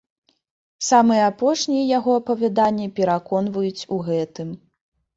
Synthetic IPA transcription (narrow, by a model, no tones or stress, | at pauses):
samɨjɛapɔʂnʲijɛjaɣɔɐpɐvʲad̪anʲːɛpʲɛɾakɔnvɐjut͡sʲuɣɛt̪ɨm